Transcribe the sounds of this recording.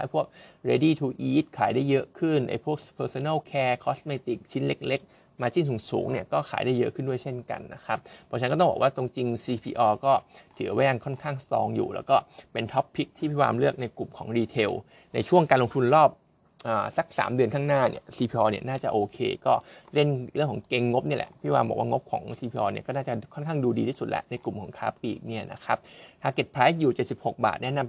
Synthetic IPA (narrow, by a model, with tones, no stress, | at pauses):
aː˦˥jpʰu˥˩ək̚ɾeː˧diː˥˩t̪ʰuː˧ʔiː˦˥t̪̚kʰaː˨˩˦jdaː˥˩jːɤ˦˥ʔkʰɯ˥˩nʔa̰˧˩jpʰu˥˩ək̚pʰɤː˧soː˧na˥˩wkʰɛː˧kʰɔ˦˥smeː˧t̪i˨˩k̚t͡ɕʰi˦˥nle˦˥k̚le˦˥k̚ | maː˧t͡ɕi˥˩ŋsuː˨˩˦ŋsṵː˩˦ŋni˥˩ɐkɔː˥˩kʰa̰ː˩˦jda˥˩jːɤ˦˥ʔkʰɯ˥˩ndu˥˩əjt͡ɕʰe˥˩nka̰˧nːa̰˦˥kʰɾa˦˥p̚pʰːɔː˧t͡ɕʰnkɔː˥˩ɔ˥ŋbɔ̰˨˩waː˥˩t̪o˧ŋt͡ɕi˧ŋsiː˧pʰḭː˧ʔɔː˧kɔː˥˩t̪ʰɯ̰˨˩˦wa˦˥˦ja˧ŋkʰɔ˥˩nkʰaː˥˩ŋst̪ɔ̰ː˧ŋjṵː˨˩lɛ̰ː˦˥wkɔː˥˩pe˧nt̪ʰɔ˦˥pʰːi˦˥k̚t̪ʰiː˥˩pʰwa̰ː˧mlɯ˥˩ək̚na˧jku˨˩mkʰɔː˩˦ŋɾiː˧t̪ʰe˧w | na˧jt͡ɕʰu˥˩əŋkaː˧nlo˧ŋt̪ʰu˧nɾɔː˥˩p̚ | ʔaː˨˩sa˦˥k̚sa̰ː˩˦mdɯ˧ənkʰaː˥˩ŋnaː˥˩nḭ˦˥˩ɐsiː˧pʰiː˧ʔɔː˧ni˥˩ɐnaː˥˩t͡ɕa˨˩ʔoː˧kʰḛː˧kɔː˥˩ɾe˥˩nɾɯ˥˩əŋkʰɔː˩˦ŋke˧ŋːo˦˥p̚ni˥˩ɐlɛ̰˨˩pʰi˥˩waː˧mbɔː˨˩kwaː˥˩ŋo˦˥p̚kʰɔ̰ː˩˦ŋsiː˧pʰiː˧ʔɔː˧ni˥˩ɐkɔː˥˩naː˥˩t͡ɕa˨˩kʰɔ˥˩nkʰa˥˩ŋduː˧diː˧t̪ʰiː˥˩su˨˩t̪̚lɛ̰˦˥na˧jku˨˩mkʰɔː˩˦ŋkʰa̰ː˦˥p̚lḭː˨˩k̚ni˥˩ɐnʔa̰˦˥kʰa˦˥p̚t̪ʰaː˧ke˨˩t̪̚pʰɾaː˦˥juː˨˩t͡ɕe˨˩t̪̚si˨˩pho˨˩k̚ba̰ː˨˩t̪̚nɛ˦˥na˧m